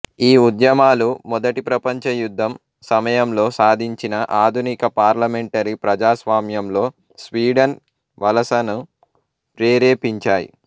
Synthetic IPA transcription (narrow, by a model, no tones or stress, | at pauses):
iːud̪jɐmaːlumɔd̪ɐʈipɾɐpɐɲt͡ʃɐjud̪ʱːɐm | sɐmɐjɐmlo̞ːsaːd̪ʱiɲt͡ʃinɐʔaːd̪ʱunikɐpaːɾlɐmeɳʈɐɾipɾɐd͡ʒaːsʋaːmjɐmlo̞ː | sʋiːɖɐn | ʋɐlɐsɐnu | pɾeːɾeːpiɲt͡ʃaːjḭ